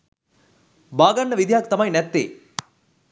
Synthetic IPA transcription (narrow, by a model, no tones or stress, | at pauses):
baːɡɐnːɐʋid̪jaːkt̪ɐmajnɛt̪ːḛː